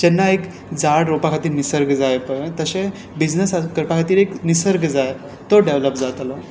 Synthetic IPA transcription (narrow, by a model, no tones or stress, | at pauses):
d͡ʑɛnːaek | d͡zaɽɾopakʰat̪iːɾnisəɾɡd͡zajpəjt̪əɕẽ | bid͡ʑnəsakəɾpakʰat̪iːɾeknisəɾɡd͡zaje | t̪oɖeʋləpd͡zat̪lo